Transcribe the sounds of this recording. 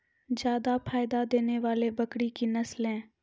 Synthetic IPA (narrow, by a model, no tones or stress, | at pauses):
d͡ʒjaːd̪apʰaːɪd̪ad̪eːneʋaːlebəkɽikinəslɛ̃ː